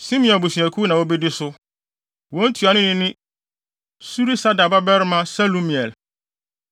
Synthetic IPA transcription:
sĩ˦mĩ˨ɔ̃˨nbʊ˨si˨æ̃˨kʰu˦nã˨wɔ˦bɛ˦dɪ˦sʊ˦ | wɔ̃˦n̩˦tʰu˨a˨nʊ̃˦nɪ̃˦nɪ̃˦ | su˦ɾi˦sa˦da˨ba˦bɛ˦ɾmã˦sa˦lo˦mĩ˨ɛ˨l

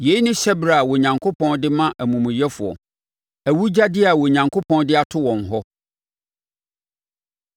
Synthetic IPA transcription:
je˨˦i˦nʊ̃˦ɕɛ˦bɾa˨wɔ˨ɲã˨ŋkʰo˦pʰɔ̃˦ndɪ˦mã˦ʔæ˨mũ˨mũ˨jɛ˦fʊ˨ɔ̰˨ | æ˨wu˦d͡ʑa˦dɪ˦a˨wɔ˨ɲã˨ŋkʰo˦pʰɔ̃˦ndɪ˦a˨tʰʊ˦wɔ̃˨n˨ɦɔ˦

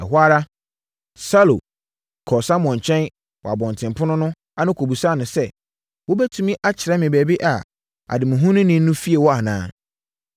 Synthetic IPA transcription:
ɛ˨ɦʊ˦a˦ɾa˦ | sa˦lo̰˨ | kʰɔ˨sã˦mɔ̃˨ɲ˨t͡ɕʰᶣɛ̃˦n | wɔ˨a˨bɔ̃˨n˨tʰɪ̃˨mpʰʊ̃˦nʊ̃˦nʊ̃˦ | a˨nʊ̃˦kʰo˨bu˨sa˦˨nʊ̃˨sɛ˦ | wo˦bɛ˦tʰũ˦mĩ˦ʔa˦t͡ɕʰɪ˨ɾɛ˦mɪ̃˨bɛ˨bi˦ʔa˨ | a̰˨dɪ˨mʊ̃˨ɦũ˦nʊ̃˦nɪ̃˦nʊ̃˦fi˦e˨wɔ˦a˨nã̰ː˦

